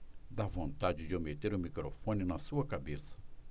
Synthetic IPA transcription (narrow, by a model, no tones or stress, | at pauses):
d̪avõnt̪ad͡ʒɪd͡ʒɪomet̪eɾʊmikɾo̰fõnɪnɐsuɐkabesɐ̥